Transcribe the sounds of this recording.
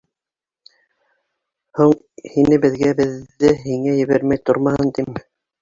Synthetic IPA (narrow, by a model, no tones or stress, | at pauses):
huɴ | hinɘbɘ̆ðɡæbɘ̆ðːɘɦiŋæjɘ̆βæɾmæjt̪oɾmɑhɤnt̪im